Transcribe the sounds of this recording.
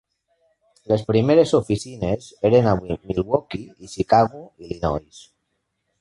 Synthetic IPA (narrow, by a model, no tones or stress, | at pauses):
lespɾimeɾesofisineseɾenaβwimilwokiiʃikaɣuilinɔ̰js